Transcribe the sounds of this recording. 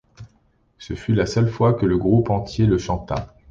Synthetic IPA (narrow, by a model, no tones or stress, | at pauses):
səfylasœlfwakələɡʁupɑ̃t̪jeləʃɑ̃t̪a̰